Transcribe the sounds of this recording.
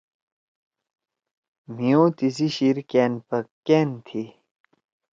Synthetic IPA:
miot̪isiɕiɹkɛnpakɛnt̪ʰe

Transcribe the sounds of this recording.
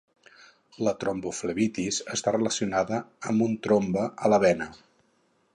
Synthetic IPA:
lət̪ɾombufləβit̪izəst̪arələsiunaðəəmbunt̪ɾombəələβɛnə

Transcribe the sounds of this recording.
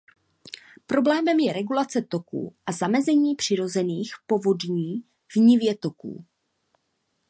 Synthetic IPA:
pɾo̞blɛːmɛmjɛɾɛɡulat͡sɛt̪o̞kṵːʔazamɛzɛɲiːpr̝̥ɪɾo̞zɛniːxpo̞vo̞dɲiː | vɲɪvjɛt̪o̞kṵː

